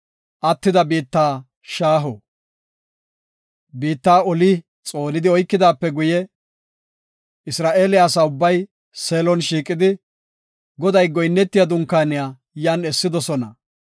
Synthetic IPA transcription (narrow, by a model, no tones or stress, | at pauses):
ʔɐt̪ːɪd̪ɐbiːt̪ːaː | ʃaːɦɔ | biːt̪ːaːɔlɪ | t͡sʼo̞ːnɪd̪ɪɔjkːɪd̪aːpːɛɡʊjɛ | ɪsɾaːʔe̞ːlɪjaːsaːʊbːɐj | seːlɔnʃiːkʼɪd̪ɪ | ɡɔd̪ɐjɡɔjnːɛt̪ːɪjad̪ʊŋkːaːnɪjaː | jaːnɛsːɪd̪ɔsɔnɐ